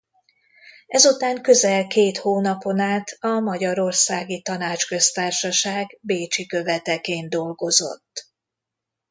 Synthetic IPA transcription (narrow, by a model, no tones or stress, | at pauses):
ɛzut̪aːŋkø̞zɛlkeːt̪hoːnɒpo̞naːt̪ʰɒmɒɟɒɾo̞rsaːɡit̪ɒnaːt͡ʃkø̞st̪aːrʃɒʃaːɡbeːt͡ʃikø̞vɛt̪ɛkeːnd̪o̞lɡo̞zo̞̰t̪ː